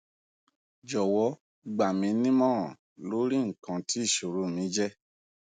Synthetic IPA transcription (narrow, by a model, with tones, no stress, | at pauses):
d͡ʒɔ˨wɔ˧˦ | ɡ͡ba˨mĩ˨˦nĩ˦mɔ̃ː˦˨ | lo˨˦ɾi˦ŋ̩˨kã˨˧ti˦i˦˨ʃo˨ɾu˨˦mĩ˨˦d͡ʒɛ˦